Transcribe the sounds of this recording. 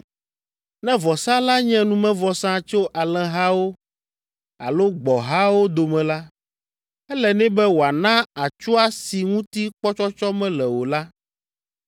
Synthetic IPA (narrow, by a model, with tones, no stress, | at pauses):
nɛ̃˦vɔ˨sã˦la˦ɲɛ̃˦nũ˨mɛ̃˦vɔ˨sã˦t͡ʃo˦ʔa˨lɛ̃˦ɦa˦wo˦ | a̰˨lo˦ɡ͡bɔ˨ɦa˦wo˦d̪o˨mɛ̃˨la˦ | ɛ˦lɛ˨nɛ̃˦bɛ˦wo˨a˨nã˦a˨t͡ʃu˦a˦si˨ŋũ˦t̪i˦k͡pɔ˦t͡ʃɔ˦t͡ʃɔ˦mɛ̃˦lɛ˨wo˨la˦